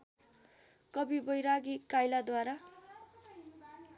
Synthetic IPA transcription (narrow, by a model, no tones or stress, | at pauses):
kʌbibʌjɾaɡikajlad̪waɾa